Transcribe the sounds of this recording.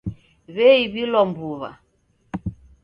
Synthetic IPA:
βɛiβilɔmbuβa̰

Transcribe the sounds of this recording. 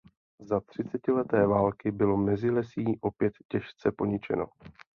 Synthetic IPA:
zat̪r̥ɪt͡sɛcɪlɛt̪ɛːvaːlkɪbɪlo̞mɛzɪlɛsiːʔo̞pjɛt̪cɛʃt͡sɛpo̞ɲɪt͡ʃɛ̰no̞̰

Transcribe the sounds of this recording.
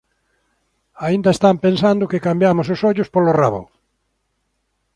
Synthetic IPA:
aind̪aest̪ampensand̪ʊkɪkambjamʊs̬ʊsɔʎʊspoloraβo̰

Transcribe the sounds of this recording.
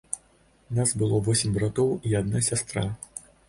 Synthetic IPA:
nasbɨlˠɔvɔsʲɪmʲbɾat̪ɔwiad̪̚nasʲast̪ɾa

